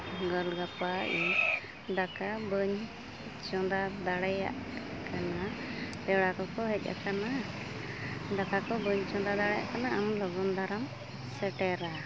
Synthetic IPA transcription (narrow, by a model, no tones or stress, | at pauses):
ɡəlɡapaʔiɲ | d̪akabəɲ | t͡ʃɔ̃d̪ad̪aɽɛja̰ʔkanapɛɽakɔkɔɦɛc̚ˀa̰kana | d̪akakɔbəɲt͡ʃɔ̃d̪ad̪aɽɛja̰ʔkanaʔamlɔɡɔnd̪ʱaɾam | sɛʈɛɾa